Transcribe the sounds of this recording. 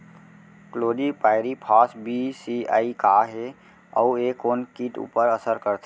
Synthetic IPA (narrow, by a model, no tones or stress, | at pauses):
kloːɖipaːɪɾipʰaːsbisia̰ːikaɦe | ɔ̰ueːkoːnkiːʈṵːpəɾəsəɾkəɾt̪ʰe